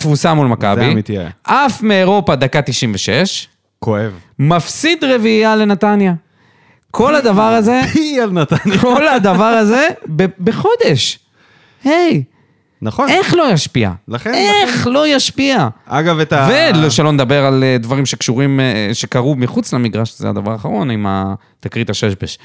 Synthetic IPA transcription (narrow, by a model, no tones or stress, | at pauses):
t̪vusamulmaka̰imit̪ia̰ʔafmeːʁo̞pad̪akat̪iʃimveʃe̞ʃ | koevmafsid̪ʁe̞viale̞nat̪anja | kʰo̞lad̪avaʁaze̞alnat̪anjkolad̪avaʁaze̞bebeχo̞d̪e̞ʃ | he̞j | naχoe̞χlo̞jaʃpia̰laχeneχlo̞jaʃpiaaɡavet̪aveloʃelo̞ned̪abeʁald̪vaʁimʃe̞kʃuʁimʃekaʁumiχut͡slamiɡʁaʃzḛa̰d̪avaʁaχaʁo̞nima̰ | t̪akʁit̪aʃeʃbeʃ